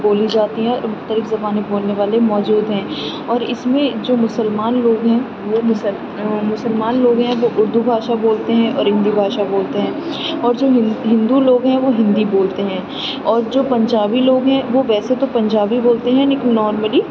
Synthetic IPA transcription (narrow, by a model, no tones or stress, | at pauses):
boːlid͡ʒaːt̪iɦɛ̃ɔ̰ːɾmʊxt̪əlɪfzɐbaːneboːlneʋaːlemɔːd͡ʒuːd̪ɦɛ̃ː | ɔːɾɪsmẽd͡ʒoːmʊsəlmaːnloːɡɦɛ̃ | ʋomʊs | mʊsəlmaːnloːɡɦɛ̃ʋoʔʊɾd̪ubʱaːʃaboːlt̪eɦɛ̃ʔɔ̰ːɾɦɪ̃nd̪ibʱaːʃaboːlt̪eɦɛ̃ː | ɔːɾd͡ʒoːɦɦɪ̃nd̪uloːɡɦɛ̃ʋoɦɪ̃nd̪iboːlt̪eɦɛ̃ː | ɔːɾd͡ʒoːpɐ̃ɲd͡ʒaːbiloːɡɦɛ̃ʋoʋɛːset̪opɐ̃ɲd͡ʒaːbiboːlt̪eɦɛ̃nekinɔːɾməli